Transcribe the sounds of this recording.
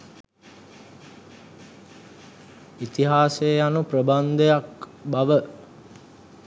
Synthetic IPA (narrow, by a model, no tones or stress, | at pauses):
it̪iɦaːsejjanuprəband̪əjakbaʋə